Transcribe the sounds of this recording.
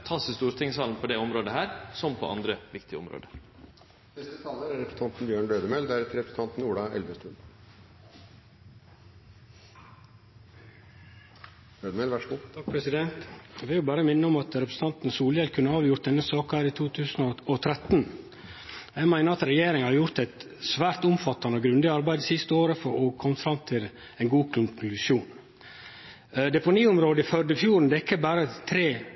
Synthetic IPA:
t̪ʰɑsəst̪uːɾt̪ʰɪŋsɑːln̩pʰɔd̪ɛɔmɾoːd̪əɦæːɾsɔmpʰɔ̰ʔɑ̰nd̪ɾəʋɪkt̪ɪəɔ̰mɾo̰ːd̪ə | nɛst̪ət̪ʰɑːləɾæɾɛpɾəs̩ɑnt̪n̩bjøːɳɖ̪øːd̪əmɛld̪æɾɛt̪ɾɛpɾəs̩ʰɑnt̪n̩uːɖɑɛ̰lʋəst̪ʉn | øːd̪əmɛlʋæʂmut̪ʰɑk̚pʰɾɛsɪd̪ɛnt̪ʋɪɾjʊbæːɾəmɪnːəɔmɑt̪ɾɛpɾəs̩t̪ɑnt̪n̩suːləjɛlkʰʉnːəɑːʋjʊɾt̪̚d̪ɛnːəsɑːkɑhæːɾit̪ʰuːt̪ʰʉːsnɔɔt̪ʰɾɛt̪n | jæɪmæɪnəɾɑt̪ɾɛjeːɾɪŋhɑɾjʊɾt̪ɛɪt̪ | sʋæːɾt̪ʊmfɑt̪ːɑnəɔɡɾʉnd̪ɪɑɾbæɪd̪sɪst̪əoːɾəfɔɾɔkʰɔmfɾɑmt̪ʰɪl | ɛɪnɡuːkʰʊŋʉsuːn | d̪ɛpʊniːʊmɾoːd̪əɪfœɖ̪əfjuːɾɳ̩d̪ɛɪkːəbæːɾət̪ʰɾeː

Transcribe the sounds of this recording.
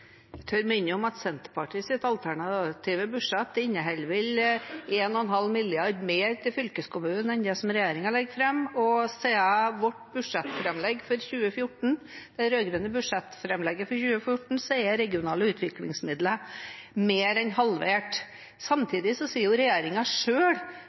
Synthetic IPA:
t̪ʰøːɾmʏnːəɔmɑt̪sɛnt̪əɾpɑʈiːsɪt̪ɑlt̪ʰæɳɑt̪ʰiːʋəbʉʂɛt̪ːɪɲːəɦɛlʋɪleːnɔɛnɦɑlːmɪlːɪɑɾɖ̪meːɾt̪ʰɪlfʏlkəskʰʊmʉːənɛnd̪ɛsɔmɾɛjeːɾɪŋɑɭɛɡːfɾɛmːɔseːəʋɔʈːbʉʂɛt̪ːfɾɛmlɛɡːfɔɾçʉːəfjʊʈːɳ̩ | d̪̥ɛɾøːɡɾʉnəbʉʂɛt̪ːfɾɛmlɛɡːəfɔɾçʉːəfjʊʈɳ̩sɛɪəɾɛɡɪʊnɑːləʉːt̪ʰʋɪklɪ̰ŋsmɪd̪ləmeːɾɛnhɑlʋeːʈ | sɑmt̪ʰiːd̪ɪsɔsiːjʊɾɛjeːɾɪŋɑʂøːɽ

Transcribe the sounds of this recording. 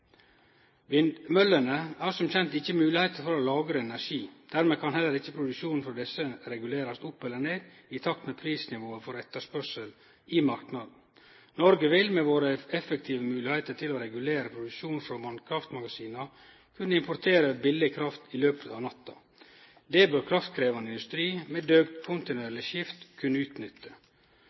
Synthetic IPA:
ʋɪnd̪mœlənəæɾʂɔmçɛnt̪ɪçːəmʉːlɪheɪt̪əɾfɔɾɔlɑːɡɾəɛnæɾʂiːd̪̥æɾmeːkʰɑnhɛlːəɾɪçːəpʰɾʊd̪ʉʃuːnn̩fɔd̪ɛsːəɾɛɡʉleːɾɑst̪ʊpːɛlːəɳeːd̪ | ɪt̪ʰɑk̚t̪meːpʰɾiːsnɪʋoːəfɔɾɛt̪ːəʂpœʂəl | ɪmɑɾknɑd̪n̩ | nɔɾɡəʋɪlmɛʋoːɾəɛfəkt̪ʰiːʋəmʉːlɪheɪt̪əʈʰɪloːɾɛɡʉleːɾəpʰɾʊd̪ʉʃuːnfɾɔmɑnkʰɾɑft̪mɑɡɑsiːnɑ | kʰʉnːəɪmpʰʊɾt̪ʰeːɾəbɪlːɪkʰɾɑft̪ɪløːpət̪ɑːʋnɑt̪ːɑ | d̪ɛːbœɾkʰɾɑft̪kʰɾeːʋɑnɪnd̪ʉst̪ɾiːmɛːd̪øːɡ̪kʰʊnt̪ɪnʉɛlɪʃɪft̪kʰʉnːəʉːt̪nʏt̪ʰːə

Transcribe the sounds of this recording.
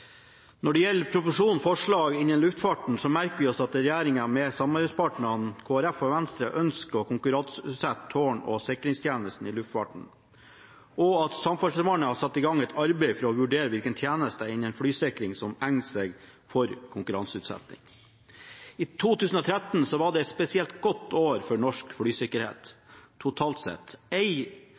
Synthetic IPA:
nɔɖɛjɛlpʰɾʊpʊʂuːnfɔʂɭɑːɡɪnənlʉft̪fɑʈɳ̩sɔmæɾkəʋɪɔsɑt̪̚ɾɛjæːɾɪŋəmɛsɑmɑɾbɛɪspʰɑːʈɳənkʰoːæɾæfɔʋænst̪ɾəʔœnskəɔkʰʊŋkʉɾɑnsʉːt̪sɛt̪ʰːoːɳɔ̰sɪkɾɪŋst̪ʰjæːnəst̪n̩ilʉft̪fɑ̰ːʈɳ̩ | ʔɔɑt̪sɑmfɑsʋɑɳəhɑsɑt̪ːɪɡɑŋɛt̪ʰɑɾbeɪfɔɾɔʋʉɖeːɾəʋɪlkənt̪ʰjæːnəst̪əɪnənfɽyːsɪkɾɪŋsɔmæŋseɡ | fɔɾkʰʊŋkʉɾɑnsʉːt̪sɛ̰t̪nɪ̰ŋ | iːt̪ʰuːt̪ʰʉːsn̩ɔːt̪ʰɾɛt̪n̩sɔʋɑɖɛɛt̪spɛsɪɛlt̪ɡɔt̪ʰːoːɾfɔɳɔʂkfɽyːsɪkəɾhḛːt̪ʰː | ʊt̪ʰɑːlt̪sɛ̰t̪ɛɪ

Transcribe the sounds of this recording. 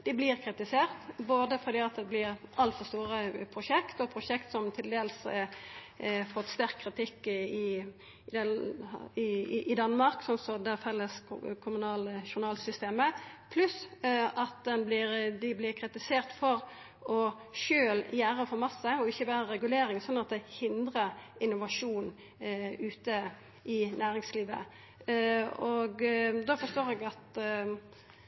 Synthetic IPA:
d̪̥ɪblɪɾkʰɾɪt̪ɪseːʁt̪boːd̪əfɔʁd̪iːɑt̪̚d̪ɛblɪɾʔɑlt̪fɔɾst̪uːɾəpʰɾʊʃɛkt̪ɔpʰʁʊʃɛkt̪sɔmt̪ʰɪld̪eːls | fɔt̪ːst̪æʁkʰːɾɪt̪ʰɪkːɪ | d̪ɛ | ɪʔɪd̪ɑnːmɑʁksɔnsɔd̪æfɛlːəskʰʊmʉnɑːləʃʊnɑːlsʏst̪eːməpʰlʉsɑt̪̚d̪ɛnblɪɾd̪ɪblɪʁkʰʁɪt̪ɪseːʁt̪fɔɾ | ɔ | ʃøːljæːɾəfɔɾmɑsːəɔɪçːəbæːɾəɾɛɡʉleːɾɪŋsɔnːɑt̪̚d̪ɛɪhɪnd̪ʁəɪnːʊʋɑʂuːn | ʉːt̪ə | ɪnæːɾɪŋsliːʋə̰ | ɔɡd̪ɑfɔst̪oːɾɛɡɑt̪

